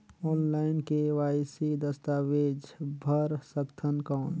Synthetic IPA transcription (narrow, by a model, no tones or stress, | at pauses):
ɔːnlaːɪnkeʋaːɪsid̪əst̪aːʋeːd͡ʒbʱəɾsəkt̪ʰənkɔːn